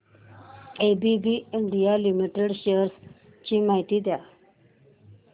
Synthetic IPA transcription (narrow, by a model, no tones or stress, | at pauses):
ebibiɪɳɖijalimiʈeɖʃeəɾs | t͡ɕimajt̪id̪ja